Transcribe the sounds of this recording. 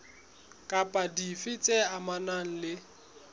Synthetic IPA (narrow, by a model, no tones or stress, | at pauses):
kʼapʼadifɪt͡sʼɛamanaŋ̩lɪ